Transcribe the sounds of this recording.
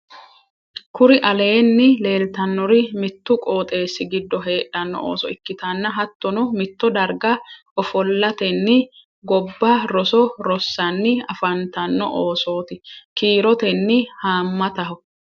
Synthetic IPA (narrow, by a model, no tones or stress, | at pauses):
kʰʊɾɪʔɐle̞ːnːɪle̞ːlt̪ɐnːɔɾɪmɪt̪ːʊkʼo̞ːt̪ʼe̞ːsːɪɡɪd̪ːɔɦe̞ːᶑɐnːɔ̰o̰ːsɔɪkːɪt̪ɐnːɐɦɐt̪ːɔnɔmɪt̪ːɔd̪ɐɾɡɐʔɔfɔlːɐt̪ɛnːɪ | ɡɔbːɐɾɔsɔɾɔsːɐnːɪɐfɐnt̪ɐnːɔ̰ʔoːso̞ːt̪ɪkiːɾɔt̪ɛnːɪhaːmːɐt̪ɐɦɔ